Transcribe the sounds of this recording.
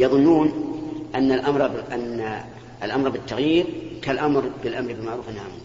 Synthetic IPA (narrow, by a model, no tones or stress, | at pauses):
jɑðˤʊnːuːnʔanːalʔamɾˤʔanːa | lʔamɾˤbɪt̪ːaɣjiːɾkalʔamɾbɪlʔamɾbɪlmaʕɾuːfɪnhamuː